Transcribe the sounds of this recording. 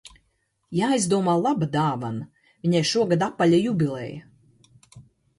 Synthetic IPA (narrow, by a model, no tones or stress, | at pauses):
jaːjzd̪uɔmaːlˠabad̪aːvan | viɲajʃuɔɡad̪apːalʲajubʲilˠɛ̰ːjɐ